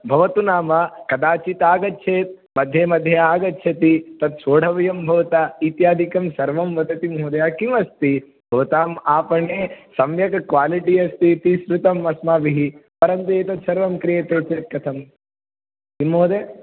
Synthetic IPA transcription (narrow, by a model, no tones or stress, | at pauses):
bʱɐʋɐt̪unaːmɐkɐd̪aːt͡ʃit̪aːɡɐtːʃʰeːt̪̚ | mɐd̪ʱjeːmɐd̪ʱjɐaːɡɐtːʃʰɐt̪it̪ɐt̪soːɽʱɐʋɐjɐmbʱɐʋɐt̪aːit̪jaːd̪ʱikɐmsɐɾʋɐmʋɐd̪ɐt̪imɦoːd̪ɐjaːkimɐst̪i | bʱɐʋɐt̪aːmaːpɐɳeːsɐmjɐkkʋaːliʈiɐst̪it̪isɾut̪ɐmɐsmaːʋiɦipɐɾɐnt̪eːt̪ɐt̪sɐɾʋɐmkɾijeːt̪oːʈt͡ʃeːt̪̚kɐt̪ʰɐm | t̪imːoːd̪e